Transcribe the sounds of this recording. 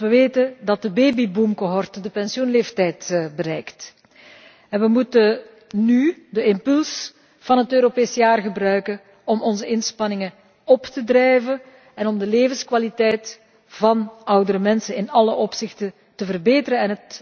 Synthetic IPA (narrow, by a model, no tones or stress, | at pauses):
ʋəʋeːtədɑt̚dəbeːbibumkoɦɔrtədəpɛnsjunleːftɛjtbəɾɛjkt | ɛnʋəmutə | nydəɪmpɵls | v̥ɑnɦətøːɾopeːsəjaːrɣəbrœɥkə | ɔmɔnzəɪnspɑnɪŋə | ɔptədrɛjvə | ɛnɔmdəleːvəskʋalitɛjt | v̥ɑnʔʌwdəɾəmɛnsənɪnɑləʔɔpsɪxtə | təvərbeːtəɾənɛnət